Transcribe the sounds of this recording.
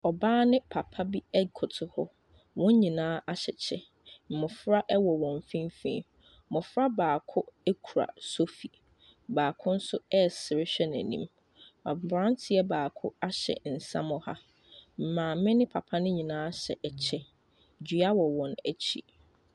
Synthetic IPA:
ɔ˨baː˦nɪ̃˦pʰa˨pʰa˦bi˦ɛ˦kʰʊ˨tʰʊ˨hʊ˦ | wɔ̃˦ɲ˦ɲĩ˨nãː˦a˦ɕɛ˨t͡ɕʰɛ˦ | m̩˨mʊ̃˨fɾa˦ʔɛ˦wɔ˨wɔ̃˨ɱ˨fĩ˦mfḭ̃˦˨˦ | mʊ̃˨fɾa˦baː˨kʰʊ˦ɛ˦kʰu˨ɾa̰˨so˦fi˨ | baː˨kʰʊ̃˦n̩˦sʊ˦ɛ˦˨sɪ˨ɾɪ˦ɕᶣɛ˦næ̰̃˨nḭ̃˦m | a˨bbɾã˦n˦tʰɪ˨ɛ˦baː˨kʰʊ̰˦a˦ɕɛ̰˨n̩˨sã̰˦mʊ̃˦ha˦ | m̩˨mãː˨˦mɪ̃˦nɪ̃˦pʰa˨pʰa˦nɪ̃˦ɲĩ˨nãː˦ɕɛ̰˨ʔɛ˨t͡ɕʰɛ˦ | d͡ʑɥa˦wɔ˨wɔ̃˨næ˨t͡ɕʰḭ˦

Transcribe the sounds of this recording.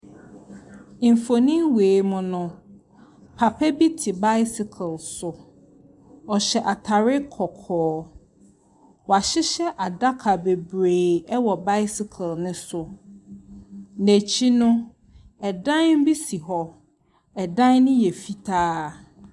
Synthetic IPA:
ĩ˨m˨fo˨nĩ˦mweː˨mʊ̃˨nʊ̃˨ | pʰa˨pʰɛ˦bi˦tʰɪ˨ba˦jsɪ˨kʰɛ˨lsʊ˨ | ɔ˨ɕɛ˨ʔa˨tʰa˨ɾɪ˦kʰɔ˨kʰɔː˨ | wɔ˨a˨ɕɪ˦ɕɛ˦ʔa˨da˦kʰa˨be˨bɾeː˨ɛ˦wɔ˨ba˦jsɪ˨kʰɛ˨lnʊ̃˦sʊ˨ | næ˨t͡ɕʰi˦nʊ̃˦ | ɛ˨dã˦nm̩˦bi˦si˨ɦɔ˦ | ɛ˨dã˦nnʊ̃˦jɛ˨fi˦tʰaː˦˨

